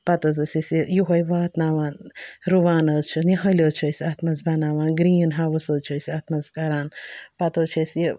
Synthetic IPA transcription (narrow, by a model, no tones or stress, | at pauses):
pɐt̪ɐzɐsʲisijuɦɐjʋaːt̪naːʋaːnɾuʋaːnɐt͡ʃʰuniɦɐlʲɐt͡ʃʰɐsʲiaːt̪mɐzbɐnaːʋaːnɡɾiːnɦaʋɐsɐt͡ʃʰɐsʲat̪mɐzkɐɾaːnpɐt̪ot͡ʃʰɐsʲi